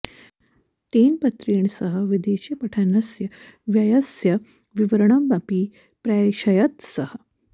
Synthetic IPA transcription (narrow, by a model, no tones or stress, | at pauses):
t̪eːnpɐt̪ɾiːɳsɐɦɐ̆ʋid̪eːʃipɐʈʰanɐsjɐʋjɐjɐsjɐ | ʋiʋɐɾɐɳɐmbɐpiː | pɾajʃɐjɐt̪sɐhɐ̆